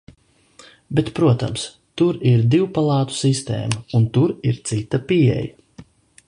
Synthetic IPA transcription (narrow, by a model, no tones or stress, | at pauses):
bet̪pɾuɔt̪a̰ms | t̪uɾiɾd̪iwpalˠɑːt̪u̥sist̪ḛːmaunt̪uɾiɾt̪sit̪ːɐpiɛ̰ja